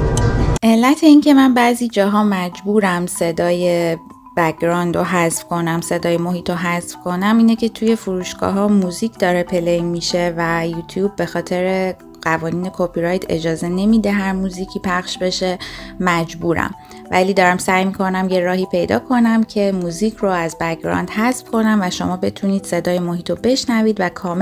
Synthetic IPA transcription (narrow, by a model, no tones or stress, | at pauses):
ʔe̞lːæt̪ʰe̞iːncʰe̞mænbæːziːd͡ʒɒːɦɒːmæd͡ʒbuːɾæmse̞d̪ɒːje | b̥æɡɾɒːnd̪oɦæzfkʰo̞næmse̞d̪ɒːjemoɦiːt̪ʰoɦæzfkʰo̞næmiːnecʰe̞t̪ʰuːje̞fuɾuːʃɡ̥ɒ̰ːɦɒːmuːziːcʰd̪ɒːɾepʰe̞lejmiʃe̞væjuːt̪ʰjuːb̚ːe̞xɒːt̪ʰe̞ɾe | ɢævɒːniːne̞kʰopiɾɒjt̪ʰe̞̰d͡ʒɒːze̞ne̞mid̪eɦæɾmuziːcʰiːpʰæχʃbe̞ʃe̞mæd͡ʒbuːɾæ̰m | væliːd̪ɒːɾæmsæjmiːkʰo̞næmjeɾɒːhiːpʰe̞jd̪ɒ̰ːkʰo̞næmcʰe̞muːziːcʰroæzbækɾɒ̰ːnd̪hæsfkʰo̞næmvæʃomɒːbe̞t̪ʰuniːd̪̥se̞d̪ɒːjemohiːt̪ʰobe̞ʃnæviːd̪vækʰɒːm